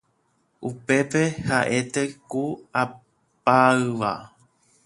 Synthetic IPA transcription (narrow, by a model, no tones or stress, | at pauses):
ʔupe̞pe̞haʔe̞t̪e̞kua | paɨʋa̰